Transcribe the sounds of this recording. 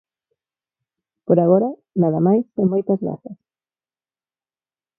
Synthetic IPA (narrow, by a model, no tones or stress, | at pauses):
poɾaɣoɾɐ | naðɐmajsemojt̪ɐzɣa̰θɐs